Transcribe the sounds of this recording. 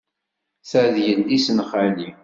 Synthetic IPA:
θəʕðjənːisənχali

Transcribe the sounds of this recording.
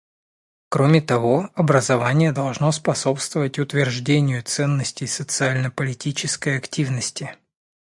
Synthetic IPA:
kɾomʲɪt̪ɐvo̞ɐbɾəzɐvanʲɪjəd̪ɐlˠʐno̞spɐso̞pst̪vəvətʲʊt̪vʲɪrʐdʲenʲɪjʊt̪sɛnːəsʲtʲɪjsət̪sɨalʲnəpəlʲɪtʲit͡ɕɪskəjɐktʲivnəsʲtʲɪ

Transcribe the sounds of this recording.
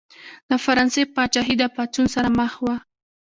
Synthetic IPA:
d̪̥əfaɾɑnsepɑt͡ʃaɦid̪apat͡sunsaɾaməxwa

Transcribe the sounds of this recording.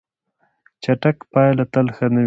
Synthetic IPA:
t͡ʃaʈakpɑjlat̪alxənə

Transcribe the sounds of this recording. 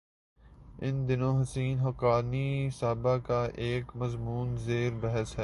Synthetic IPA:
ɪnd̪ɪnõɦɐsiːnɦɐkaːnisaːbakaʔeːkmɐzmuːnzeːɾbɛɦəsɦɛː

